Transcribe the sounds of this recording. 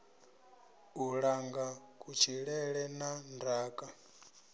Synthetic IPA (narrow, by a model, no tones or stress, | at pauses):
uɺaŋɡakʼut͡ʃʰiɺɛɺɛnandaːkʼa